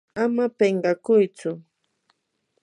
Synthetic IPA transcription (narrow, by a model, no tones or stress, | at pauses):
amapeɴɢɑkʊjt͡sʊ